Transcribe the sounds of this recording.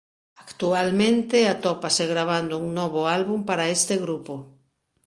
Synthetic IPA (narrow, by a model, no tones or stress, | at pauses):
akt̪ualmẽnt̪eat̪ɔpaseɣɾaβ̞and̪ʊuŋnɔβ̞ʊalβumpaɾaest̪eɣɾupo